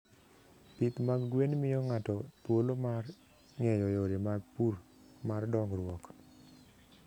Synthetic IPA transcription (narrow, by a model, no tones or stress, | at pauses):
pit̪maɡɡwenmɪjɔŋatɔtwolomar | ŋɛjɔjoɾemaɡpur | mardɔŋɾwɔk